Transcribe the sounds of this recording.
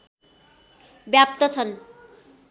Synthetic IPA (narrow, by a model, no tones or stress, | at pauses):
bjap̚t̪ʌt͡sʰʌn